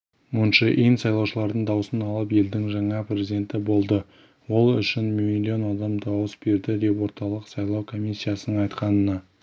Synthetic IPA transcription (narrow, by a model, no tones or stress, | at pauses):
mʊnʃəʔijnsɑjlˠɑwʃəlˠɑɾd̪əɴd̪ɑwəsənɑlˠəpe̞ld̪ɪŋʒɑɴɑprʲe̞zid̪ʲe̞nt̪ɪbo̞lˠd̪ə | wo̞lˠʏ̰ʃɪnmilʲio̞nɑd̪ɑmd̪ɑwəsbe̞ɾd̪ɪd̪e̞pwo̞ɾt̪ɑlˠəqsɑjlˠɑwkʰo̞mʲisʲːijasənəɴɑjt̪qɑnənɑ